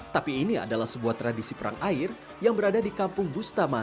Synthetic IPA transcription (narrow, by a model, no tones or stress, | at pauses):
t̪apiːnia̰dalahsəbuaht̪ɾadisipəɾa̰ŋʔaɪr | jaŋbəɾadadikampʊŋbust̪ama